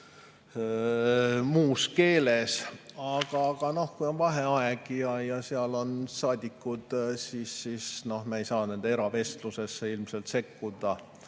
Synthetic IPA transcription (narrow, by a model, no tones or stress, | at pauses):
muːske̞ːle̞sɑɡ̥ɑɡ̥ɑno̞hkujo̞nvɑɦeɑɛɡ̥jɑjɑseɑlo̞nsɑːd̪̥ʲikːˑud̪̥sisːisno̞hmɑejsɑːne̞nd̪̥ee̞ɾɑve̞st̪luse̞sːeilmse̞lt̪se̞kːud̪̥ɑ